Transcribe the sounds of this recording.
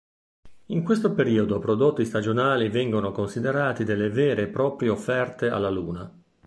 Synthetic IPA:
iŋkwest̪opeɾiːod̪opɾod̪ot̪ːist̪ad͡ʒonaːlivɛŋɡonokonsid̪eɾaːt̪id̪elːevɛːɾepɾɔːpɾjeofːɛrt̪ea̰lːaluːna

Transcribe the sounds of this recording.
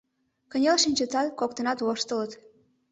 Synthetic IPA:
kə̆nʲelʃinʲt͡ɕət̪ɑt̪kok̚t̪ənɑt̪oʃt̪ələt̪

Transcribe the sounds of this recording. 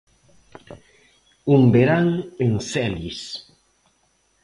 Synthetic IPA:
umbeɾaŋensɛlis

